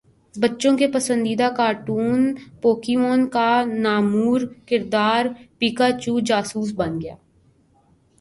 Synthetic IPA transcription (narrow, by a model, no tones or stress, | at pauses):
bətːʃõkepəsə̃nd̪iːd̪akaːɾʈuːnpoːkɪmoːnkanaːmuːɾkɪɾd̪aːɾpiːkaːt͡ʃuːd͡ʒaːsuːs̬bənɡɪja̰ː